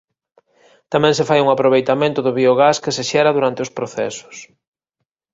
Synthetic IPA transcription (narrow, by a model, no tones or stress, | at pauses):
t̪amɛ̃ŋsefajuŋapɾoβ̞ejt̪amẽnt̪ʊðʊβioɣaskeseʃɛɾaðuɾant̪ɪʊspɾoθɛ̰sʊ̥s